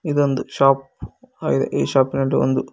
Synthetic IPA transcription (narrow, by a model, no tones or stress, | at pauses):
iðond̪ɨɕaːp | aːjiðeʔiːɕaːpːinuɖeond̪ɨ